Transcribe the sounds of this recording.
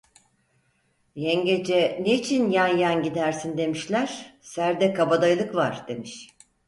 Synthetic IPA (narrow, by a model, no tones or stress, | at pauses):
jɛɲɟed͡ʒɛneit͡ʃʰinjanjanɟid̪æɾsind̪e̞miʃlʲæɾ̥sæɾd̪ɛkʰabad̪ajlˠɯkvaɾ̥d̪̥e̞miʃ